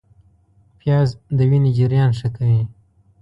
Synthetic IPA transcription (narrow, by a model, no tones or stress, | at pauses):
pjɑzd̪əwined͡ʒɪɾjɑnʂəkawi